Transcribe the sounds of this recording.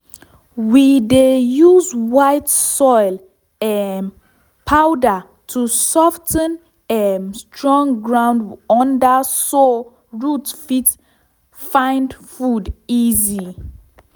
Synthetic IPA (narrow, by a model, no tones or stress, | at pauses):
widejuzwajtsɔɪl | ɛn | pʰawdə | tʰusɔftʰə̃n | ɛnstʰɹɔ̃ŋɡɹãw̃ndɔ̃ndəso | ɹutfit | fãɪndfudizi